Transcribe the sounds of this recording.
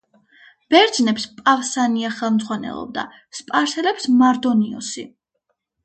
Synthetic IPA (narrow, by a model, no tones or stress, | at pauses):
b̥ɛɾd̪znɛpspʼavsaniaχɛlˠmd̪zʁwanɛ̰lˠɔ̰b̚d̪a̰ | spʼaɾsɛlɛpsmaɾd̪ɔniɔ̰si